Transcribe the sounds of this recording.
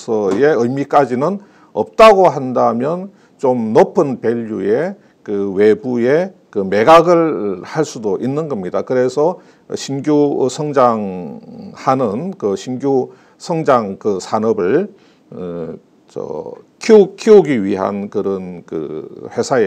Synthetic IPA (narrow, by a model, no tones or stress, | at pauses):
sʰʌje̞ɯjmik͈ad͡ʑinɯn | ʌp̚t͈aɡoɦandamjʌn | t͡ɕomnopʰɯnpe̞ʎːuje̞ | kɯwe̞buje̞kɯme̞ɡaɡɯɭhaɭs͈udoʔinːɯnɡʌmɲidakɯɾe̞sʰʌ̰ | ɕʰinɡjusʰʌŋd͡ʑaŋ | hanɯnkɯɕʰinɡju | sʰʌŋd͡ʑaŋkɯsʰanʌbɯɭ | t͡ɕʌ̰kʰikʰiuɡiɥiɦa̰nkɯɾʌnkɯ̰ɸwe̞sʰae